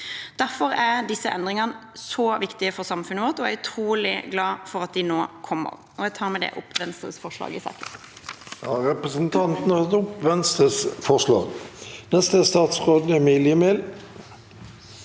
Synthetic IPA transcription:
d̪̥æɾfɔɾæd̪ɪsːəʔɛ̰nd̪ʁɪŋɑnəsɔːʋɪkt̪ɪəfɔʁsɑmfʉnəʋɔt̪ɔæʉt̪ʰɾuːlɪɡlɑːfɔɾɑt̪̚d̪ɪnoːkʰɔmːə̰ɾ | ɔɛɡ̚t̪ʰɑːɾmɛd̪ɛ̰ʔʊpʰʋɛnst̪ʁə̰sfɔʁʂlɑ̰ːɡɪsɑ̰ːkə | jɑɾɛpʁəsənt̪ʰɑnt̪nəhɑt̪ʊpːʋɛnst̪ʁəsfɔʁʂlɑ̰ːɡnɛst̪əst̪ɑːt̪sʁoːd̪̩ɛmiljəmeːl

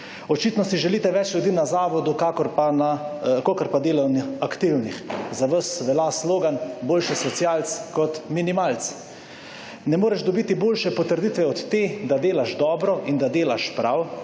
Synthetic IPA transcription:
ɔt͡ʃiːt̪nɔsiʒɛliːt̪ɛʋɛt͡ʃlʲjud̪iːnazaːʋɔd̪ukakɔɾpanakokəɾpad̪eːlɔniakt̪iwnixzaʋəsʋɛlasloːɡanboːlʃɛsɔt̪sjaːlt̪skɔt̪minimaːlt̪t͡s̪s | nɛmoːɾɛʒd̪ɔbiːt̪iboːlʃɛpɔt̪əɾd̪it̪ʋɛɔt̪ːeːd̪ad̪eːlaʃd̪ɔːbɾɔʔind̪ad̪eːlaʃpɾaw

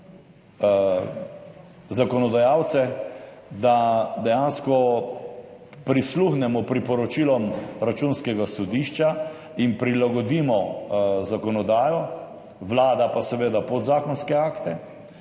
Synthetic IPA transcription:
zakɔnɔd̪ajaːwt̪sɛ | d̪ad̪ɛjanskɔ | pɾisluxnɛmɔpɾipɔɾɔt͡ʃiːlɔmɾat͡ʃunskɛɡasɔd̪iːʃt͡ʃa | inpɾilaɡɔd̪iːmɔzakɔnɔd̪aːjɔ | ʋlaːd̪apasɛʋeːd̪apɔd̪zaːkɔnskɛaːkt̪ɛ

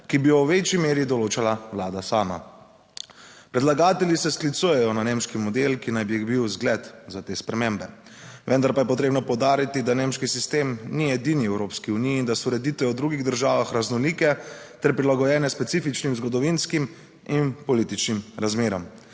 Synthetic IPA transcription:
kibijɔwʋet͡ʃimeːɾid̪ɔloːt͡ʃalawlaːd̪asaːma̰ | pɾɛd̪laɡaːt̪ɛljisɛsklit̪suːjɛjɔnanemʃkimɔd̪elkinajbibiwzɡlɛt̪zat̪eːspɾɛmẽmbɛ | ʋənd̪aɾpajɛpɔt̪ɾeːbnɔpɔwd̪aːɾit̪id̪anemʃkisist̪eːmniɛd̪iniɛwɾoːpskiunijiːnd̪asɔɾɛd̪iːt̪ʋɛɔwd̪ɾuɡiɣd̪əɾʒaːʋaxɾaznɔlikɛt̪ɛɾpɾilaɡɔjɛːnɛspɛt̪siːfit͡ʃnimzɡɔd̪ɔʋinskim | inpɔliːt̪it͡ʃnimɾazmeːɾɔm

